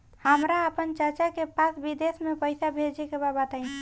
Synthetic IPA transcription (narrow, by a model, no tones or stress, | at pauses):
həmɾaəpənt͡ʃət͡ʃakepasbid̪esmepəɪsabʱed͡ʒekebabat̪aĩ